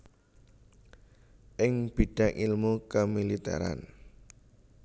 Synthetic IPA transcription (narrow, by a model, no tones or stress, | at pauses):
ʔɪŋb̥i̤ɖ̥ä̤ŋʔilmukəmilit̪ɛ̰ɾa̰n